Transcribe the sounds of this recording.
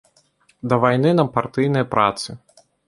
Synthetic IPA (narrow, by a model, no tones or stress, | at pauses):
d̪ɐvajnɨnɐpart̪ɨjnɐjpɾʔa̰t̪sɨ